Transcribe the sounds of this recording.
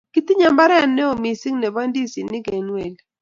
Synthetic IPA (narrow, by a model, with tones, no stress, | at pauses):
ki˦t̪ɪ˦ɲa˨mba˦ɾɛ˦˨nːɛ˦o˨mi˨si˦ŋnɛ˨ba˦ndi˦si˨nɪ˦ɡe˨nwe˨l